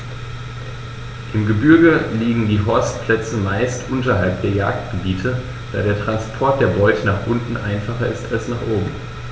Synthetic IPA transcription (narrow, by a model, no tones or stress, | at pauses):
ʔɪmɡəbʏɐɡəliːɡŋ̩diːɦɔɐst̚pl̥ɛt͡səmaɪstʔʊntɐɦalp̚d̥eːɐja̰ːkt̚ɡ̥əbiːtʰə | d̥a̰ːɾeːɐtʁ̥anspʰɔɐt̚d̥eːɐbɔʏtʰənaːχʔʊntn̩ʔaɪnfaχɐʔɪstalsnaːχʔoːbm̩